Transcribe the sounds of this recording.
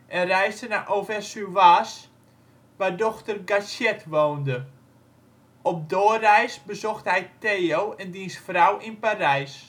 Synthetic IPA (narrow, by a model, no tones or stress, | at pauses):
ʔɛnrɛjsdənaʔowfɛsyʋaːs | ʋadɔxtərɡasjɛtʋoːndə | ɔp̚doːərɛjsbəzɔxthɛjtejowɛndinsfrawinparɛjs